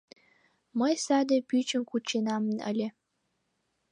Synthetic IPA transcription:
məjsɑd̪ĕpyt͡ʃənkut͡ʃːenɑmənə̰lʲe

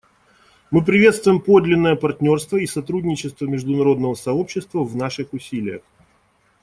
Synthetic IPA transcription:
mɨpɾʲɪvʲe̞t̪st̪vʊjɪmpo̞d̪lʲɪnːəjəpɐrtʲnʲo̞rst̪vəisɐt̪ɾudʲnʲɪt͡ɕɪst̪vəmʲɪʐd̪ʊnɐɾo̞d̪nəvəsɐo̞pɕːɪst̪vəvnaʂɨxʊsʲilʲɪjə̰x

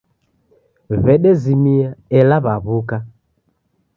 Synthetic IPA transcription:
βɛɗɛzimiaɛlaβaβuka

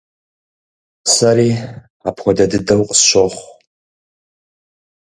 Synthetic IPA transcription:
saɾiː | apʰxʷɔdɐdɨdɐwqʼsʃʷoχʷ

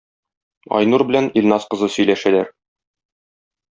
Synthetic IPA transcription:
ɒ̰jnuɾbɘ̆lænilʲnɑsqɤ̆zɤsɵ̆jlæʃælæɾ

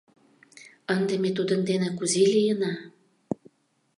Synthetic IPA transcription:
ənd̪emet̪̬ud̪ə̆nd̪enækuzelijənɑ

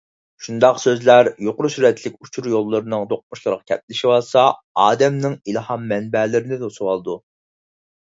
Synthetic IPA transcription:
ʃund̪ɑqsøzlæɾjoqʊɾusyɾɛt̪ʰlɪkʲut͡ʃʰuɾjolˠːəɾɨnɨŋd̪oq̚muʃlˠɨɾʁɑkʲʰɛp̚lɪʃiwɑsɑ | ɑːd̪ɛmnɪŋilˠhɑmːɛnbɛlɪɾɪnɪd̪osuwɑlˠɨd̪u

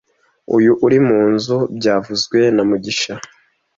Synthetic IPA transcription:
ṵjuʔuɾimuːnzubɟaːvuzɡwe̞namuɟiʃa

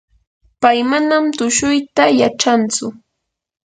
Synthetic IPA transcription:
pajmanamt̪ʊʃʊjt̪ajaʈ͡ʂant͡sʊ

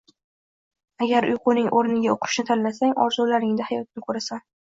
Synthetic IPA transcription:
aɡʲaɾʊ̰jqʊnɪŋʔoɾnɪɡʲaoqʰʊ̥ʃnɪt̪ʰanlasaŋɒ̰ɾzulaɾɪŋd̪ahajɒt̪̚nɪkʰɵɾasan

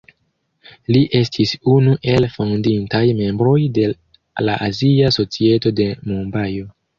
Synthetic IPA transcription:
liʔe̞stʰisunuʔe̞lfondintajme̞mbɾo̞jde̞ | laʔaziaso̞t͡sie̞to̞de̞mumbajo̞

